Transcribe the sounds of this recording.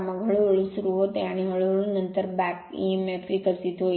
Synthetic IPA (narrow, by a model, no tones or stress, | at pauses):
mãɡʱəɭoʋəɭũsɾuɦot̪aniɦəɭoʋɭũnənt̪əɾbakḭmefɾikəɾsit̪o